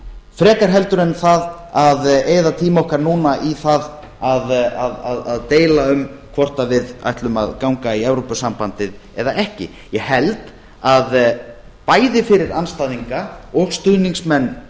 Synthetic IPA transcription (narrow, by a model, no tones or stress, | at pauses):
fɾɛːkaɾ̥ɦɛlt̪ʏɾɛnθað | aðeːjðat̪ʰiːmɔhkaɾnuːnaʔiθað | aðaðaðaðt̪eːjlaʏmkʰvɔr̥t̪avɪða̰jht̪lʏma̰ðkawŋkaiɛvɾopʏsampant̪ɪðɛðaɛhcɪ̰ | jɛhɛlt̪ | að | paːjðɪfɪɾɪɾanst̪ajðiŋkaɔɣst̪ʏðniŋsmɛnː